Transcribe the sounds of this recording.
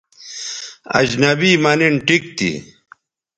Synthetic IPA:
ɐ̰d͡ʑnɐbiːmɐniɳʈik̚t̪ḭ

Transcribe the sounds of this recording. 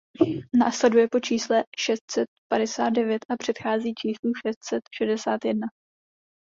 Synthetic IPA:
naːslɛdujɛpo̞t͡ʃiːslɛʃɛst̪sɛt̪̚padɛsaːd̪̚dɛvjɛt̪ʔapr̥ɛt̪xaːziːt͡ʃiːsluʃɛst̪sɛt̪ʃɛdɛsaːt̪jɛdna

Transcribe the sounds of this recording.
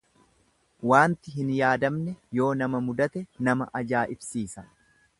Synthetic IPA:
waːnt̪ɪɦɪnjaːd̪ɐmnɛjo̞ːnɐmɐmʊd̪ɐt̪ɛnɐmɐʔɐd͡ʒaːʔɪbsiːsɐ

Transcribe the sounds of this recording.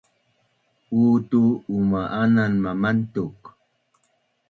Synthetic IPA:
uːtuːmaʔananmamantuk

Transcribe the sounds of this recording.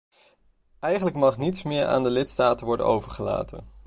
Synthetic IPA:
ɛjχənləkmɑχnitsmɪːɹa̰ːndəlɪtstaːtənʋɔɹdə̰nowvəɹχəla̰ːtə̰n

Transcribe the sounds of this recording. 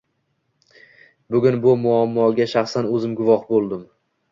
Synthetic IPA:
bʊɡʲʊnbʊmʊamːɒɡʲaʃaχsanɵzɪmɡʊvɒhbolˠd̪ɪm

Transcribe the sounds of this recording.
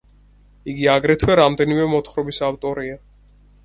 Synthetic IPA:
iɡiaɡɾɛt̪ʰwɛɾamd̪ɛnimɛmɔt̪ʰχɾɔbisavt̪ʼɔɾia

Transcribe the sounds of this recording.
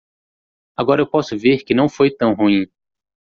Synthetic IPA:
aɡɔɾɐewpɔsʊveɾkɪnɐ̃w̃fojt̪ɐ̃w̃ɦuĩ

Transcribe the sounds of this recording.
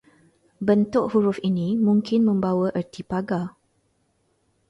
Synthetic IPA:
bənt̪ʊʔhuɾʊfinĩmũŋkɪnmə̃mbawəʔərt̪ipaɡa

